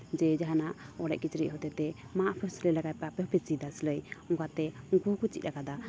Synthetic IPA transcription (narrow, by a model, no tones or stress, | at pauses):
d͡ʒɛd͡ʒaɦanaʔɔɽɛ̰ʔkit͡ʃɾḭʔɦɔt̪ɛt̪ɛmaʔpʰɛsləjlaɡajpapəpɛt͡ʃid̪asləjɔkat̪ɛukukut͡ʃḭt̪̚ɾakad̪a